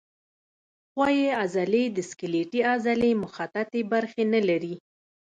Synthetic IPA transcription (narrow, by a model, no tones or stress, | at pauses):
xwɑjeazalejd̪əskɪleʈiazalemʊxat̪at̪ebaɾxenalaɾi